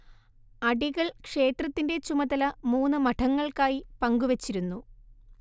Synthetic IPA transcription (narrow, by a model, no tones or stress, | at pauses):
ɐɖiɣɐɭkʂe̞ːt̪rɐt̪ːinde̞t͡ɕumɐðɐlɐmuːnːɨmɐʈʰɐŋːɐɭkaːjipɐŋɡuʋɐt͡ɕːiɾunːu